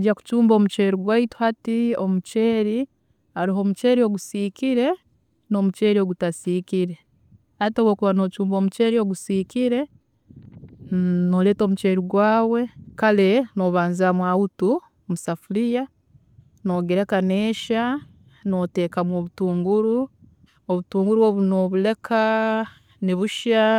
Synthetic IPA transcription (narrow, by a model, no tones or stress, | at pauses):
ɟaku̥t͡ʃuːmbo̞ːmut͡ʃe̞ːɾiɡwaitu̥hatio̞mut͡ʃe̞ːɾi | aɾiɦo̞ːmut͡ʃe̞ːɾio̞ɡusiːkiɾe̞ | no̞mut͡ʃe̞ɾio̞ɡutasiːkiɾe̞ | atowoːkuβano̞ːt͡ʃuːmbo̞ːmut͡ʃe̞ɾio̞ɡusiːkiɾe̞ | nole̞ːto̞ːmut͡ʃe̞ɾiɡwaːwe̞kale̞noβaːnzamwahutu | musafulija | no̞ɡeɾekaneːʃa | no̞te̞ːkamwo̞ːβutuːŋɡuɾu | oβutuːŋɡuɾuoβunoβule̞kʰa | niβuʃa